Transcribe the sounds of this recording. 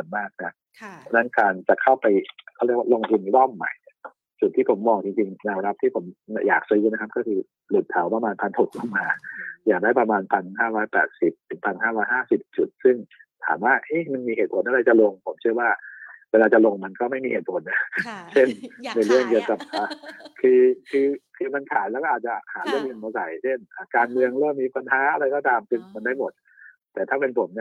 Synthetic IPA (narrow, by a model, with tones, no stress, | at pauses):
o˩˦nmaː˥˩k̚na˦˥ | ɔ˧˥˩na˦˥nkaː˧nt͡ɕa˨˩kʰa˥˩wpa˧jkʰa˥˩˨i˧˥˩waː˥˨lo˧ŋ˧t̪ʰu˧ni˧˦lɔ˥˩mːa̰˨˩˦jni˥˩ | t͡ɕu˨˩t̪ʰːiː˥˩pʰo˩˦mːɔː˧ŋt͡ɕi˧ŋt͡ɕi˧ŋnɛː˧wɾa˦˥p̚t̪ʰiː˥˩pʰo˩˦mn˧˩jaː˨˩k̚sa˧jɯ˧˩nʰ˧˦˥a˥pkɔː˥˩kʰɯː˧ | lu˨˩t̪ʰːa˨˩˦wpɾa˧maː˧npʰa˧nt̪ʰo˨˩k̚lʰa˥˩maː˧jaː˨˩k̚daː˥˩jpɾa˧maː˧npʰa˧nhaː˥˩ɾɔː˦˥jpɛ̰ː˨˩t̪̚si˨˩p̚t̪ʰɯ˩˦ŋpʰa˧nhaː˥˩ɾɔː˦˥jɦaː˥˩si˨˩p̚t͡ɕu˨˩t̪̚sɯ˥˩ŋt̪ʰa̰ː˩˦mwaː˥˩ʔə˦˥jma˧nmiː˧heː˨˩t̪̚pʰo˩˦nʔa˧ɾa˧jt͡ɕa˨˩lo˧ŋpʰo˩˦mt͡ɕʰɯ˥˩əwaː˥˩weː˧laː˧t͡ɕa˨˩lo˧ŋma˧nkɔː˥˩ma˥˩jmiː˧heː˨˩t̪̚pʰo˨˩˦nːa˦˥t͡ɕʰe˥˩nna˧jɾɯ˥˩əŋki˨˩əwka˨˩p̚ʔaː˨˩kʰɯː˧kʰɯː˧kʰɯː˧ma˧nt̪ʰaː˩˦mlɛ˦˥kɔ˥ʔaː˨˩t̪̚t͡ɕa˨˩haː˩˦lɯ˥˩əŋlɯ˧ŋma˧wsa̰˨˩jt͡ɕʰe˥˩nʔaː˨˩kaː˧nmɯ˧əŋlu˥˩ə˨miː˧˩pa˧nhaː˦˥ʔa˧ɾa˧jkɔ˥˩t̪aː˧msɯ˥˩ŋma˧ndaː˥˩jmo˨˩t̪̚ | t̪ɛː˨˩t̪ʰaː˥˩pe˧npʰo˨˩˦mn˧˥